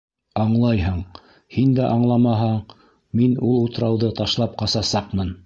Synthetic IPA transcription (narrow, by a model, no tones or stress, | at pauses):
ɑɴlˠɑjɦɤɴ | hind̪æʔɑɴlˠɑmɑɦɑɴ | minulˠut̪̆ɾɑwðɤt̪ɑʃlˠɑp̚qɑsɑsɑqmɤn